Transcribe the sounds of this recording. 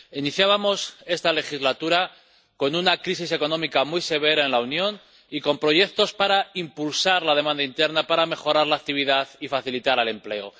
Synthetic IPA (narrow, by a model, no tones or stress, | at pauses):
iniθjaβamo̞se̞st̪ale̞xizlat̪uɾa | ko̞nunakɾisis̬e̞ko̞nõ̞mikamujse̞β̞e̞ɾaenlaunjõ̞n | iko̞mpɾo̞ʝe̞kt̪o̞spaɾaimpulsaɾlað̞e̞mãnd̪aint̪e̞ɾnapaɾame̞xo̞ɾaɾlaːk̚t̪iβ̞iðaθifaθilit̪aɾale̞mple̞o̰